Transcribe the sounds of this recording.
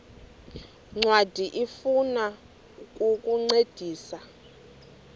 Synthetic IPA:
ŋ͡ǀwad̥ʱiʔifuna | kʼukʼuŋ͡ǀed̥ʱiːsa

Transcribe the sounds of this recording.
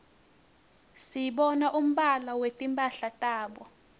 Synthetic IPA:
sijiɓɔnaʔum̩ɓalawetʼimpʼaɬatʼaːɓɔ

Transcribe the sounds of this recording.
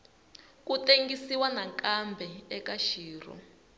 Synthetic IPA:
kuteŋɡisiwanakambʱɛɛkaʃiːrɔ̰

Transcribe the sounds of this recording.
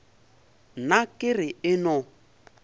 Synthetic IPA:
nakʼɪɾɪɪnʊ

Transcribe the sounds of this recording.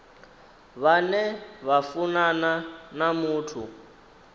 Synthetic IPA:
βanɛβafunananamuːtʰṵ

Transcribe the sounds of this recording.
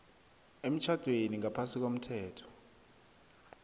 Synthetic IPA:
em̩t͡ʃʰad̥ʱweniŋapʰasik̬om̩tʰɛːtʰɔ̥

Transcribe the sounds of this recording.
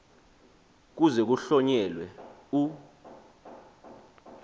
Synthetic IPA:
k̬uzɛk̬uɬɔɲɛlwɛu

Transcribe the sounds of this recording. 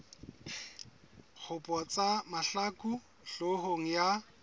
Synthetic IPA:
k͡xʰʊpʼɔt͡sʼamaɬakʼu | ɬoɦoŋ̩ja

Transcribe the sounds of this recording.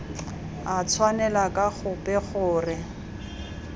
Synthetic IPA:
at͡sʰwanɛlakʼaχʊpʼɛχʊːrɪ

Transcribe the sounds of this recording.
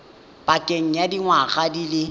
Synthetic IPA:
pʼakʼeŋ̩jadiŋwaɣadilɪ

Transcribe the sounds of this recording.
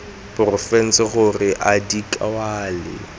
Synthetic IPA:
bʊrʊfɛn̩t͡sɪχʊrɪʔadikʼawaːlɪ̰

